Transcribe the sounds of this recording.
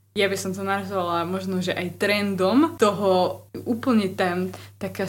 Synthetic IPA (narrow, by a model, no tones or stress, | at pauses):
jabisɔmt̪ɔnaɾazɔʋalamɔʒnɔʒɛʔajt̪ɾɛnd̪ɔmt̪ɔɦɔuːpl̩ɲɛt̪at̪aka